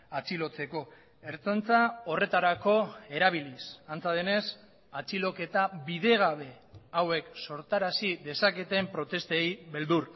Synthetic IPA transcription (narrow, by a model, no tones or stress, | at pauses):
at͡silo̞t͡se̞ko̞ | e̞ɾt͡sont͡sao̞re̞t̪aɾako̞e̞ɾaβ̞ilisant͡saðene̞s | at͡silo̞ke̞t̪aβiðe̞ɣ̞aβ̞e̞ | awe̞kso̞ɾt̪aɾasiðe̞sake̞t̪e̞mpɾo̞t̪e̞st̪ejβe̞ld̪ur